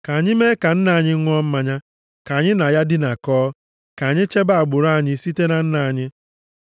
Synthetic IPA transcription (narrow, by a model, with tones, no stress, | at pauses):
ka˨ɲɪ˦me˦ka˨n̩˦na˨a˨ɲɪ˦ŋʷ˦ɔ˦m̩˦ma˨ɲa˦ | ka˨ɲɪ˦na˨ja˦dɪ˦na˨kɔː˦ | ka˨ɲɪ˦t͡ʃe˦ba˦a˨ɡ͡bʊ˨ɾa˦˨ɲɪ˦si˦te˦na˨n̩˦na˨a˨ɲɪ˦